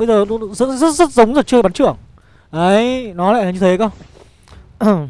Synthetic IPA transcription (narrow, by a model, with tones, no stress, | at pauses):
ə˧jzəː˨˩˨zə̰˦˥zə˦˥t̚zə˦˥t̚zə˨˦wŋ͡mzəː˨˩t͡ɕɨ˧ə˧jɓa˨˦t͡ɕɨ̰˧˩əŋ | ʔə˨˦jnɔ˨˦la̰ː˧˨laː˨˩ɲɨ˧t̪ʰe˨˦kə˧w